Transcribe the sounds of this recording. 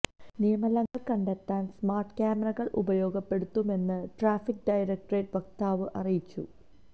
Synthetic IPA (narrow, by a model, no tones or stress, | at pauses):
nijɐmɐlɐŋːɐɭkɐɳɖet̪ːaːnsmaːrʈkaːmerɐɣɐɭʔṵbɐjo̞ːɡɐpːe̞ɽut̪ːume̞nːɨʈraːfik̚ɖɐjɾɐk̚ʈreːʈʋɐk̚t̪aːʋɨʔɐrijit͡ɕːṵ